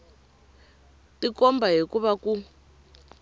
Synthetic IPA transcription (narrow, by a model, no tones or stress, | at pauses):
tikɔmbaɦikuβaku